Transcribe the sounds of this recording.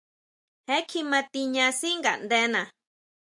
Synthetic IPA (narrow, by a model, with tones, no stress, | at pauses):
he˦kʰi˧mã˧t̪i˧ɲã˧si˦ŋɡa̰˨ʔnd̪e˦nã˨